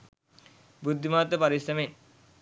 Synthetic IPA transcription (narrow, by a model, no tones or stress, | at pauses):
bud̪ʱːimaːt̪ːəpaɾisɾɐmen